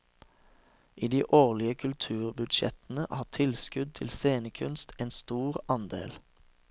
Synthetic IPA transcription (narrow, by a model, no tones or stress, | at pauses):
ʔiːd̪iːʔoːʁlɪəkʰʉlt̪ʰʉːʁbʉd̪ʃɛ̰t̪n̩əʔhɑːt̪ʰɪlskʉd̪̚t̪ʰɪlseːnəkʰʉnst̪ʰeːnst̪uːʁɑnd̪ḛːl